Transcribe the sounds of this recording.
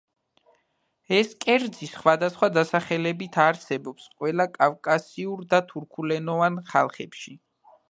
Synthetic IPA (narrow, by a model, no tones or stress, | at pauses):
ɛskʼɛɾd̪zisχwad̪asχwad̪asaχɛlɛbit̪ʰaɾsɛbɔpsqʼwɛlˠakʼafkʼasiuɾd̪at̪ʰuɾkʰulɛnɔvanχa̰lˠχɛpʃi